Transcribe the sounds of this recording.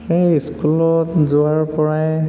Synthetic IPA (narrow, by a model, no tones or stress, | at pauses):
eiskulɔtzʊaɹpɔɹaj